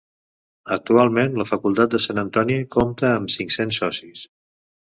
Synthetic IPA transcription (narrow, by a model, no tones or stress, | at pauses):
ək̚t̪ualˠmenləfəkulˠt̪at̪̚d̪əsanənt̪ɔnikomt̪əːmsiŋksensɔsis